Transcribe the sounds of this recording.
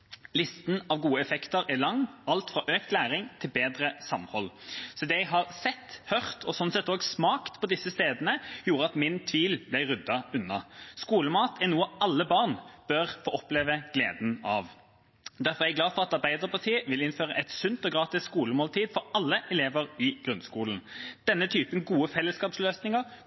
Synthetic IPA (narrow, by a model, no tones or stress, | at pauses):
lɪst̪n̩ɑʋɡuːəɛfɛkt̪əɾælɑŋɑlt̪fʁɑʔøːkt̪læːɾɪŋt̪ʰɪlbeːd̪ɾəsɑmhɔlːsɔd̪ɛɛɪɦɑʁsɛt̪ːhœʁt̪ʰɔsɔnsɛt̪ːoːɡsmɑːkt̪pʰɔd̪ɪsəst̪eːd̪nəjuːɾəɑt̪mɪnt̪ʰʋiːlblæɪɾʉd̪ːɑʉnːɑskuːləmɑːt̪ʰɛænuːəɑlːəbɑʁnb̥øɾfoːɔpleːʋəɡ̥lḛːd̪n̩ɑʋ | d̪æʁfɔʁɛæɡlɑːfɔɾɑt̪ɑɾbæɪd̪əʁpʰɑʁt̪ʰiːəʋɪlɪnføːɾəʔɛɪt̪sʉnt̪ɔɡʁɑːt̪ɪsskuːləmoːlt̪ʰiːd̪fɔɾɑlːəʔɛleːʋəʁɪɡ̥ɾʉnskuːln̩d̪̥ɛnːət̪ʰyːpənɡuːəfɛlːəskɑːpsløːsnɪŋəʁ